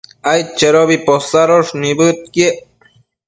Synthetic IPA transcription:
ajt͡ʃeɾobiposaɾoʂnibɯt̪̚ke

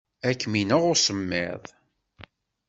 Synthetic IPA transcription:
ækːminəʁʊɾsəmːɪ̰ðˤ

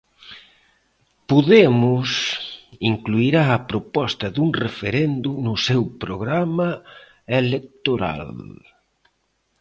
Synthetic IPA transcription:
poðemʊsiŋkluiɾaɐpɾopɔst̪ɐðuŋrefeɾend̪ʊnʊsewpɾoɣɾamɐ | elek̚t̪oɾa̰l

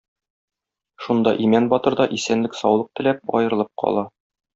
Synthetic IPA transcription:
ʃund̪ɑʔimænbɒt̪ɤ̆ɾd̪ɑʔisænlɘksɒwlˠɤq̚t̪ɘ̆læp̚ɒ̰jɤ̆ɾɤ̆lˠɤp̚qʰɒ̰lˠɑ

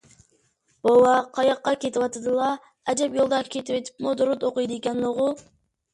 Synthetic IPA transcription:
b̥olˠɑqʰɑjɑqːɑkʲet̪ɪpɑt̪ɑd̪ɨlˠɑ | æd͡ʒɛpjolˠd̪ɑkʲʰet̪ipet̪ʰi̥p̚mod̪uɾut̪oqujd̪ɯekʲɛnnoʁu

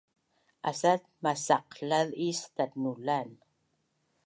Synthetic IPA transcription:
a̰sat̚masaqɬalist̪at̚nulan

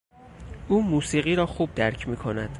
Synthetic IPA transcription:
ʔuːmuːsiːɢiːɾɒːxuːb̚d̪æɾcʰmiːkʰo̞næd̪̥

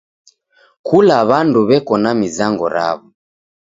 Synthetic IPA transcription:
kʰulaβanduβɛkɔnamizaŋɡɔ̰ɾa̰βɔ

